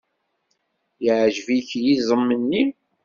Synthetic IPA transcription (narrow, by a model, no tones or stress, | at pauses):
jəʕʒviçjizˤəmːənːi